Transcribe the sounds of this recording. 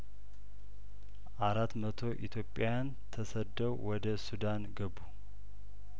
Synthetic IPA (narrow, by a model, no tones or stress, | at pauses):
ʔaɾat̪ːmət̪ʰo̞ʔit̪ʰjo̞pʼːjan | t̪ʰəsəd̪əwwɔd̪əsud̪anɡəbu